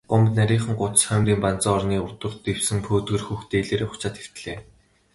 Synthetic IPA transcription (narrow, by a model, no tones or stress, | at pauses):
ɢʊmt̪næɾʲiːɴχə̆ŋɢʊt̪̆sχœmriːmpan̥t͡sɔːɔrniːʊt̪ə̆rt̪ew̥sɘ̆ŋpʰoːt̪ɡɘ̆rxuːxt̪eːɮeːɾeːχʊ̥t͡ɕaːt̪xe̥w̥t̪̆ɮeː